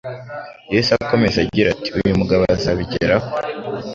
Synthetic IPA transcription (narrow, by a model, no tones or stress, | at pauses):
jesuako̞me̞zaɟiɾati̥ujumuɡaβazaβiɟeɾaho